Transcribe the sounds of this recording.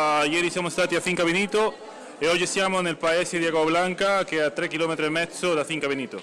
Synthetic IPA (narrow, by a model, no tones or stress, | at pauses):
ajeɾisamost̪at̪iaθiŋkaβenit̪o | eoʝesjamonelpaeseðjaɣaβlaŋkakeat̪ɾekilomet̪ɾoemet͡soðaθiŋkaβenit̪o